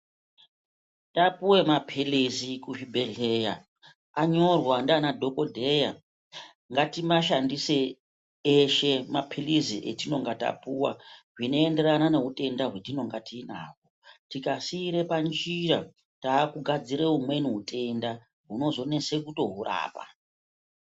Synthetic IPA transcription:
tapuwe̞mapʰilizikuʐibʱeliɦeja̰ | aɲo̞rwandaːnadʱo̞ko̞dʱe̞ja | ŋɡatimaʃandise | eʃe̞mapʰiliziʔetino̞ŋɡata̰puwa̰ʐino̞ende̞ɾanane̞ɦute̞ndaɦwetino̞ŋɡatiːna̰ːkotikasiɾe̞pand͡ʒiɾa | taːkuɡʱad͡ziɾeɦumwe̞niɦute̞nda | ɦuno̞zo̞ne̞se̞kuto̞ɦura̰ːpa̰

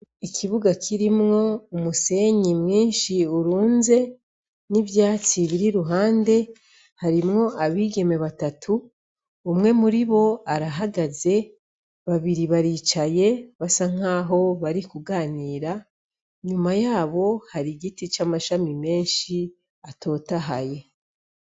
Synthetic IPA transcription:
ikʰiβuɡakʰiɾimŋo̞umuse̞ɲimŋiːnʃiuɾuːnze̞ | nivjaːt͡siβiɾiɾuɦaːnde̞ | haɾimŋo̞ʔaβiːɡe̞me̞βatatʰuː | mŋe̞muɾiβo̞aɾaɦaɡaze̞ | βaβiɾiβaɾiːt͡ʃaje̞βasaŋ̥aːɦo̞βaɾikuɡaːniːɾa | ɲumajaːβo̞haɾiɡitit͡ʃamaʃamime̞ːnʃi | atʰo̞ːtaɦa̰je̞

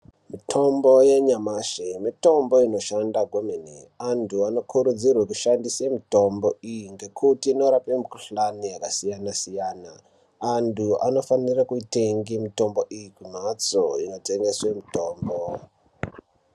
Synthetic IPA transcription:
mitʰo̞mbo̞jeɲamaʃemito̞mbo̞ino̞ʃandaɡʱwomenḛantʰuano̞kʰuɾud͡zirwekuʃandisemito̞mbo̞ijiŋɡe̞kʰutiːno̞ɾapemikuɬanijakasijanasijaːnaː | ntuʔa̰no̞fanirakuite̞ŋɡimito̞mbo̞ʔijikum̤at͡soino̞te̞ŋɡe̞swe̞mito̞ːmbo

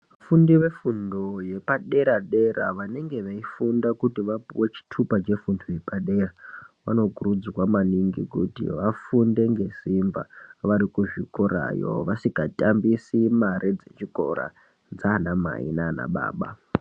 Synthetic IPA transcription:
afundiʋe̞fundoje̞paɗe̞ɾaɗe̞ra̰ʋane̞ŋɡe̞ʋaifundakutiʋapiwet͡ʃi̥tʰupat͡ʃe̞fundoje̞paɗe̞raʋa̰no̞kurud͡zwamaniŋɡḭkutḭʋafunde̞ŋɡe̞simba̰ʋaɾikuʐikoɾa̰jo̰ʋasikatʼambisimaɾʔid͡zet͡ʃiko̞ɾa̰ | d͡zaːnama̰ḭnana̰ɓa̰ːɓa̰

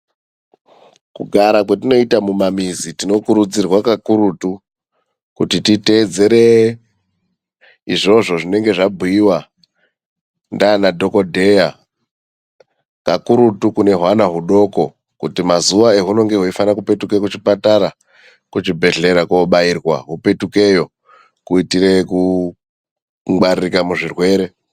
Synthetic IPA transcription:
kuɡʱaɾakwetino̞itamumamizitino̞kuɾud͡zirwakakuɾutu | kutitite̞ːd͡ze̞ɾe | iʐo̞ʐo̞ʐine̞ŋɡe̞ʐabʱuiwa | ndaːnadʱo̞ko̞dʱe̞ja | kakuɾutukune̞ɦwanaɦuɗo̞ko̞ | kutimazuʋae̞ɦuno̞ŋɡe̞ɦuifanakupe̞tukekut͡ʃipataɾa | kut͡ʃibʱe̞ɮe̞ɾakoɓairwa̰ɦupe̞tuke̞jo̞ | kuitire̞ku | ŋɡ͡baririkamuʐirwe̞ːɾe̞

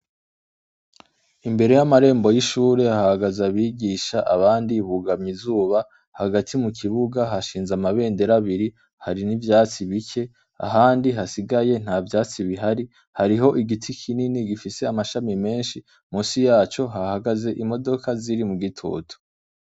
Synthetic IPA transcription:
imbe̞ɾe̞jamaɾe̞ːmbo̞jiʃuːɾe̞aahaɡazaβiːɡiːʃaʔaβaːndiβuɡamizuːβa | haɡatʰimukʰiβuɡaɦaʃiːnzamaβe̞ːnde̞ɾaβiɾi | haɾinivjaːt͡siβikʰe̞ | a̰ɦaːndiɦasiɡaje̞n̥haːvjaːt͡siβiɦaɾi | haɾiɦo̞ʔiɡitʰikʰininiɡifise̞amaʃamime̞ːnʃi | musijaːt͡ʃo̞ɦahaɡaze̞ʔimo̞do̞kaziɾimuɡitʰo̰ːtʰu̥

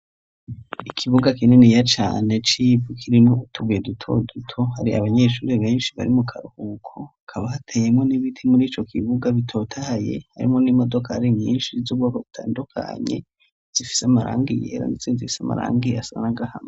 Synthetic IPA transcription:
ikʰiβuɡakinenijat͡ʃa̰ːne̞t͡ʃivukʰiɾimoutʰuɡujedutʰo̞̰dutʰo̞haɾiʔa̰βaɲe̞ʃuːɾiβe̞ːnʃiβa̰ɾimukʰaɾuhukʰoakʰaβahatʰeje̞mŋo̞niβitʰimuɾiːt͡ʃo̞kʰiβuɡaβitʰo̞ːtʰahaje̞̰ha̰ɾḭmo̞nimo̞do̞kʰahaɾiɲiːnʃizub̚ɡoːkoβutʰaːndukʰa̰ɲe̞̰ | z̥ifi̥seamaɾa̰ːŋɡijḛɾa̰nit͡sinzifi̥sama̰ɾa̰ːŋɡiasanaŋɡahame

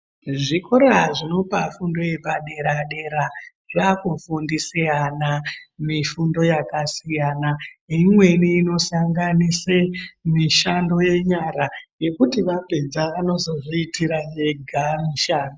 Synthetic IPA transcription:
ʐikoɾaʐino̞pafundo̞je̞baɗe̞ɾaɗe̞ɾa | ʐakufundiseanamifundo̞jakasijanaimwe̞niːno̞saŋɡanisemiʃando̞je̞ɲaɾaje̞kutiʋape̞d͡zaʋano̞zo̞ʐiitiɾaje̞ɡʱamiʃaːndo

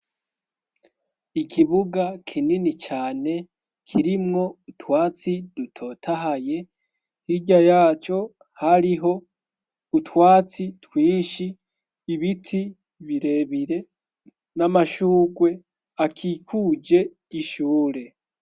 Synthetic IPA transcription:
ikʰiβuɡakʰininit͡ʃaːne̞ | kʰiɾimŋo̞utwaːt͡sidutʰo̞ːtʰaɦaje̞ | hiɟajaːt͡ʃo̞ | haɾiɦo̞ | utwaːt͡sitwiːʃiː | βitʰi | βiɾe̞βiɾe̞ | namaʃuːɡwe̞ | akʰikʰud͡ʒe̞ | iʃuːɾe̞

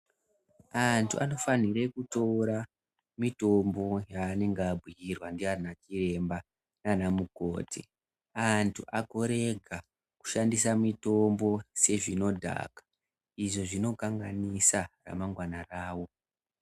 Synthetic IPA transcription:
antʰṵʔano̞faniɾe̞kutoɾa | mito̞mbo̞jaːne̞ŋɡbʱwijirwandiarinat͡ʃire̞mba | kanamuko̞ːtʰḭ | antʰuʔako̞ɾe̞ɡʱa | ku̥ʃandisamito̞mbo̞se̞ʐino̞dʱa̰ːkḁ | iʐo̞ʐino̞kaŋɡanisara̰maŋɡwanaraːwo̞

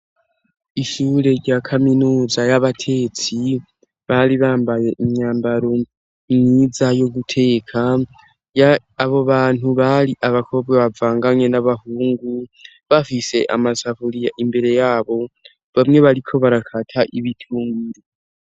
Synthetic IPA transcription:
iʃuːɾe̞ɾɟakʰaminuːzajaβatʰe̞t͡si | βaɾiβaːmbaje̞ʔimɲaːmbaɾo̞ | nizajo̞ɡutʰe̞ːkʰa | ja | aβo̞βaːn̥uβaɾiʔaβakʰo̞βɡeβavaːŋɡaɲe̞naβahuːŋɡu | βafise̞ʔa̰mazaβuɾijaʔimbe̞ɾe̞jaːβo̞ | βamŋe̞βaɾikʰo̞βaɾakʰatʰaʔiβitʰuːŋɡiɾe

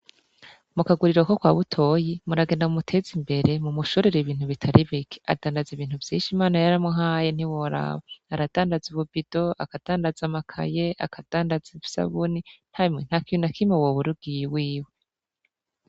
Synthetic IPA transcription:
mukaɡuɾiɾokokwaːβutʰo̞ːjimuɾaɡe̞naumutʰe̞zimbe̞ɾe̞mumuʃuɾeɾeβiːn̥huβitʰaɾiβikʰe̥a̰daːndaziβiːn̥uvjiːnʃimaːnajaɾamuɦaːjen̥iwoɾa̰βaːɾad̥aːndazuβubid̥o̞akad̥aːndazamakʰa̰jea̰kad̥aːndaziβusa̰βunin̥haimŋen̥hakijunakʰimewoβuɾuɡ̥ijwiːwe

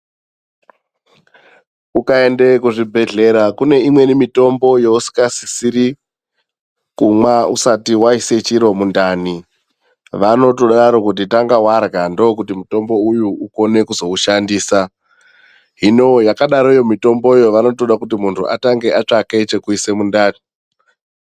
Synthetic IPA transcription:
ukae̞nde̞kuʐibʱe̞ɮe̞ɾakune̞imwe̞nimito̞mbo̞jo̞usi̥kasi̥siɾi | kumwaṵsatiwaise̞t͡ʃiɾo̞mundani | ʋano̞toɗaɾo̞kut̬itaŋɡawarɡandokutimuto̞mbo̞ujuuko̞ne̞kuzo̞uʃandiːsa | ɦino̞jakaɗaɾoijo̞mito̞mbo̞ijoʋano̞toɗakut̬imuntʰṵʔa̰taŋɡe̞ʔat͡ʂaket͡ʃe̞kuise̞mundaːni

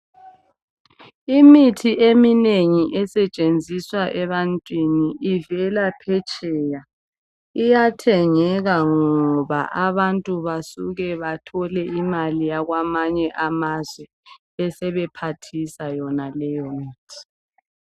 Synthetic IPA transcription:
imitʰiʔemineŋiʔɛsɛt͡ʃʼend͡zʱiswaʔɛβantʼwiniʔːvɛlapʰɛt͡ʃʼɛːja | ijatʰɛŋɛɣaŋɔβa̰ʔaβantʼuβasuɣɛβatʰɔlɛimalijaɣwamaɲɛʔamazwɛ | ɛsɛβɛpʰatʰisajɔnalɛjɔmiːtʰi̥

